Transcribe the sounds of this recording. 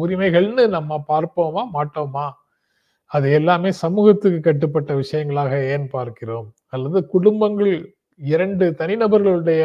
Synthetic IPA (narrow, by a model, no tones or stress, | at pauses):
ʊɾɪmɐɪɣɐɭnɯnɐmːɐpaːɾpoːmaːmaːʈːoːmaː | ɐðɯɛlːaːmeːsɐmuːɣɐt̪ːɯkːɯkːɐʈːɯpːɐʈːɐʋɪʂɐjɐŋɡɐɭaːɣɐeːnpaːɾkɪroːm | ɐlːɐðɯkʊɽʊmbɐŋɡɐɭ | ɪɾɐɳɖɯt̪ɐnɪnɐbɐɾɣɐɭɯɽɐjɐ